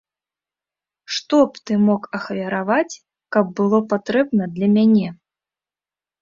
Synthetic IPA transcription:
ʂt̪ɔpt̪ɨmɔkɐxvʲɐɾavat͡sʲ | kɐbːɨlˠɔpat̪ɾɛbnɐd̪lʲɐmʲanʲɛ

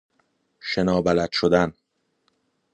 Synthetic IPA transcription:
ʃe̞nɒːbælæd̪ʃod̪æn

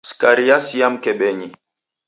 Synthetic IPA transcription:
skaɾijasijam̩kɛɓɛɲi

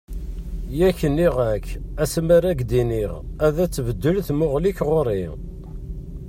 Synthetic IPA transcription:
jæçənːiʁækːæsmæɾæɡd̪iniʁæðæt͡sːvəd̪ːəlθmʊʁliçʁoɾi

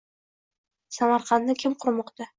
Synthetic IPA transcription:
samɑɾqɑnːɪkʲʰɪmqʰʊɾmɒqt̪a

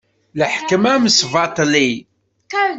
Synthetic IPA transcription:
ləħkəmæməsvɑt̪ˤli

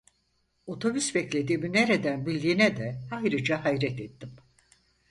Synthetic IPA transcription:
o̞t̪ʰo̞bysbɛclʲe̞d̪iːmineɾed̪ænbilʲd̪iːnɛd̪ɛajɾɯd͡ʒaɦajɾɛt̪et̪ːim

